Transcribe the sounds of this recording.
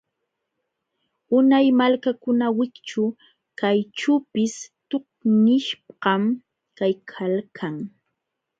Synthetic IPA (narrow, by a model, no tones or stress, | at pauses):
ʊnajmalkakʊnawɪkt͡ʃʊ | kajt͡ʃapɪst̪oh̚nɪʃɢɑm | kajkʰalkʰaŋ